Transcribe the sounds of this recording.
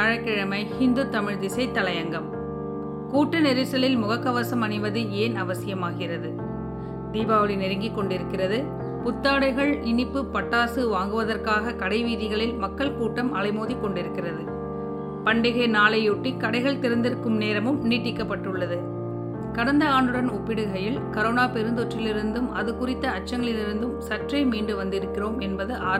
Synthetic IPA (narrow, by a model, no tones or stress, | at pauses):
ɐɻɐkːɪɻɐmɐɪhɪnd̪ɯt̪ːɐmɪɻd̪ɪsɐɪt̪ːɐlɐjɐŋɡɐm | kuːʈːɐnɛɾɪsɐlɪlmʊɣɐkːɐʋɐsɐmɐnɪʋɐðɯeːnɐʋɐsɪjɐmaːɣɪrɐðɯ | d̪iːbaːʋɐlɪnɛɾɪŋɡikːɔɳɖɪɾɯkːɪrɐðɯ | pʊt̪ːaːɽɐɪɣɐɭɪnɪpːɯpːɐʈːaːsɯʋaːŋɡɯʋɐðɐrkaːɣɐkɐɽɐɪʋiːðɪɣɐɭɪlmɐkːɐɭkuːʈːɐmʔɐɭɐɪmoːðikːɔɳɖɪɾɯkːɪrɐðɯ | pɐɳɖɪɣeːnaːlɐjuʈːikːɐɽɐɪɣɐɭt̪ɪɾɐnd̪ɪɾɯkːɯmneːɾɐmɯmniːʈːɪkːɐpːɐʈːɯɭːɐðɯ | kɐɽɐnd̪ɐaːɳɯɽɐnʊpːɪɽɯɣɐjɪlkɐɾoːnaːpɛɾɯnd̪ɔʈrɪlɪɾɯnd̪ɯmɐðɯkʊrɪt̪ːɐːt͡ʃːɐŋɡɐɭɪlɪɾɯnd̪ɯmsɐʈrɐɪmiːɳɖɯʋɐnd̪ɪɾɯkːɪroːmɛnbɐðɯʔaː